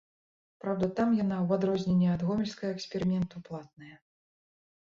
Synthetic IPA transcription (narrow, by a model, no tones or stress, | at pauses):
pɾawd̪ɐt̪amjan̪awad̪ɾɔzʲnʲɛnʲːɛad̪ɣɔmʲɛlʲskɐɣɐɛksʲpʲɛɾɨmʲɛnt̪uplˠat̪̚nɐjɐ